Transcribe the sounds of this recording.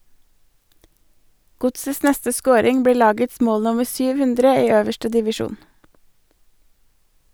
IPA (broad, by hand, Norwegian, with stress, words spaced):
ˈɡʊtsəs ˈnɛstə ˈskoːɾɪŋ ˈbɽiː ˈlɑːɡəts ˈmoːl ˈnʊməɾ ˈsyːʋ ˈhʉndɾə ˈiː ˈøːʋəʃʈə dɪʋɪˈʃuːn